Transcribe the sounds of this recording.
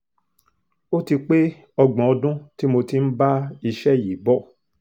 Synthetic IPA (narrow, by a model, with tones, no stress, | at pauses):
o˦ti˧k͡pe˦ | ɔ˧ɡ͡bɔ̃˨ɔ˧dũ˦ti˦mo˧ti˨˦n̩˦ba˦i˧ʃɛ˦˨ji˨˦bɔ˦˨